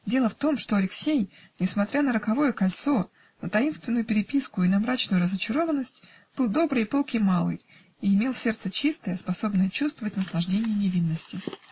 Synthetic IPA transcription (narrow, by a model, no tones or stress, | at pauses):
dʲe̞lˠəft̪o̞mʂt̪o̞ɐlʲɪksʲejnʲɪsmɐt̪ɾʲanəɾəkɐvo̞jəkɐlʲt̪so̞ | nət̪ɐinst̪vʲɪnːʊjʊpʲɪɾʲɪpʲiskʊinɐmɾat͡ɕnʊjʊɾəzət͡ɕɪɾo̞vənːəsʲtʲ | b̥ɨlˠd̪o̞bɾɨjpo̞lˠkʲɪjmalˠɨ̰j | iɪmʲe̞lˠsʲe̞rt̪sət͡ɕist̪əjəspɐso̞bnəjt͡ɕust̪vəvətʲnəslˠɐʐdʲenʲɪjənʲɪvʲinːəsʲtʲɪ